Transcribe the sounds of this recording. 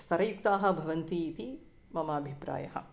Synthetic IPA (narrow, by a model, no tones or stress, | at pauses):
st̪ʰɐɾɐjuk̚t̪aːɦɐ̆bʱɐʋɐnt̪iːt̪i | mɐmɐːbʱipɾa̰ːjɐɦɐ̰